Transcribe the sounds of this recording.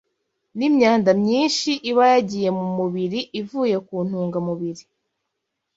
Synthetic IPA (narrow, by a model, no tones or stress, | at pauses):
nimɲaːndamɲiːnʃiʔiβajaɟije̞mumuβiɾiʔivuːje̞kuːn̥uːŋɡamuβiɾi